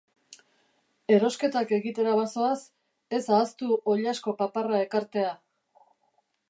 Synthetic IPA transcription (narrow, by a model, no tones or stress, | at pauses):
e̞ɾo̞ske̞t̪ake̞ɣit̪e̞ɾaβaso̞as | e̞saːst̪uʔo̞ʎasko̞paparae̞kaɾt̪e̞a